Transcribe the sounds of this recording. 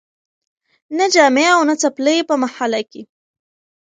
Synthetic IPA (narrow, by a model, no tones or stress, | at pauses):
nad͡ʒaːmeawnat͡saplepamaħalaki